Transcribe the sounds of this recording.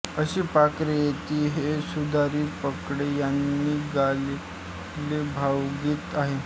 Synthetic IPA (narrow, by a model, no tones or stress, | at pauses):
əɕiːpakɾejet̪iːɦesud̪ʱaɾiːpəkɽejanːiːɡal | lebʱawɡiːt̪aɦe